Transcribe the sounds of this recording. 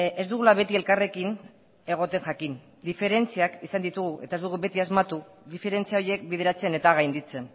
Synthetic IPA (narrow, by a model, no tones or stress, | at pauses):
e̞zd̪uɣ̞ulaβe̞t̪ie̞lkare̞kin | e̞ɣ̞o̞t̪e̞ŋʝakin | d̪ife̞ɾe̞nt͡siakisand̪it̪uɣuʔe̞t̪aezd̪uɣ̞ube̞t̪iazmat̪u | ðife̞ɾe̞nt͡siao̞jie̞k̚bið̞e̞ɾat͡se̞ne̞t̪aɣajnd̪it͡se̞n